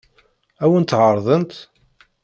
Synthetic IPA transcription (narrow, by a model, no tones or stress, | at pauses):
æwənt̪ːʕəɾˤðˤənt̪